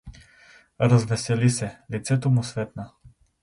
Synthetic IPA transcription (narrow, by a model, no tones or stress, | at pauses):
ɾɐzvɛsɛlisɛlit̪sɛt̪omʊsvɛt̪nə